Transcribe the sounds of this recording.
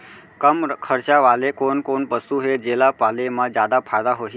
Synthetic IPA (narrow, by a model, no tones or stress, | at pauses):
kəmkʰəɾt͡ʃaʋalekonkonpəsuɦed͡ʒelapalemãd͡ʑjad̪apʰad̪aɦoɦi